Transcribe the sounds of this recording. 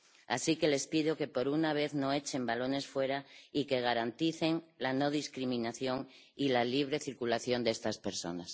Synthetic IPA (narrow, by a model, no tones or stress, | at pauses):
a̰sike̞le̞spiðoke̞po̞ɾunaβ̞e̞θnoet͡ʃe̞mbalo̞ne̞sfwe̞ɾaike̞ɣ̞aɾant̪iθe̞ŋlano̞ð̞iskɾimĩnaθjo̞ŋ | ilaliβ̞ɾe̞θiɾkulaθjo̞nd̪est̪aspe̞ɾso̞̰nas